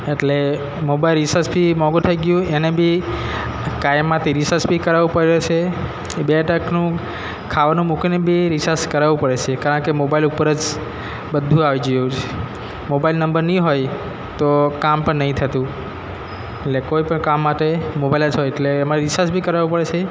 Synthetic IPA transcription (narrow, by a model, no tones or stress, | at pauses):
eʈle | mobailɾisəɾsbʱimɔɡut̪ʰəjɡjũenebʱi | kajmːãt̪ʰiɾisəɾsbikəɾaʋũpəɾiɾet͡ʃʰe | beʈəknũ | kʰaʋanũmukinebʱiɾisaskəɾaʋũpəɽet͡ʃʰekaɾəɳkemobailupəɾəd͡ʒ | bəd̪ʱũaʋid͡ʒjũt͡ʃʰe | mobailnəmbəɾnĩɦoj | t̪okampəɳnəɦĩt̪ʰət̪ũ | eʈlekoipəɳkamːaʈemobailəd͡ʒɦojeʈleːmaɾisasbʱikəɾaʋũpəɽet͡ʃʰe